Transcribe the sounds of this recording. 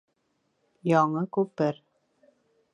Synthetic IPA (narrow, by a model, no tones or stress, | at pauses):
jɑɴɤkʉpɘɾ